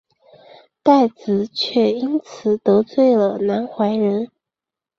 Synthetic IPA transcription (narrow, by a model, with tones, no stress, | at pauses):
t̪a˥˩ɪt͡sɹ̩˨˩˦t͡ɕʰɥɛ˥˩i˥nt͡sʰɹ̩˨˩t̪ɤ˧˥t͡swe˥˩ɪlə˩na˧˥nxwa˧˥ɪɻə˧˥n